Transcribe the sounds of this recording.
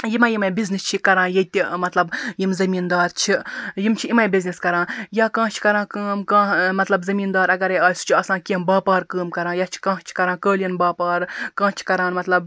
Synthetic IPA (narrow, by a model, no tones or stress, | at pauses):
jimɐjimɐbiznist͡ʃʰikɐɾãːnjet̪ʲimɐt̪lɐbjimzɐmiːnd̪aːɾt͡ʃʰijimt͡ʃʰiimɐjbizniskɐɾãːjaːkãːt͡ʃʰi̥kɐɾãːkəːmkãːmɐt̪lɐbzɐmiːnd̪aːɾɐɡɐɾeaːsu̥t͡ʃʰiɐːsãːnkʲẽmbaːpaːɾkəːmkɐɾãːjaːt͡ʃʰi̥kãːt͡ʃʰi̥kɐɾãːkəːlijɐnbaːpaːɾkãːt͡ʃʰi̥kɐɾãːnmɐt̪lɐb